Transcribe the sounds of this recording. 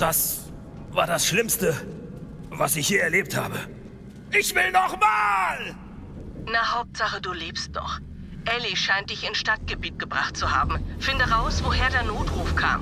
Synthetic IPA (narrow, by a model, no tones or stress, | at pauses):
d̥as | va̰ːɐdasʃlɪmstə | vasɪçhiːɐɛɐleːp̚tha̰ːbə | ʔɪçv̥ɪlnɔχmaːl | nahaʊp̚tz̥aχəduːliːpst̚d̥ɔ̰χ | ʔɛliʃaɪnt̚d̥ɪçɪnsʃtat̚ɡ̥əbiːt̚ɡ̥əbʁa̰χt̚t͡suha̰ːbm̩fɪndəʁaʊsv̥oɦeːɐdeːɐnoːtʁ̥uːfkʰa̰ːm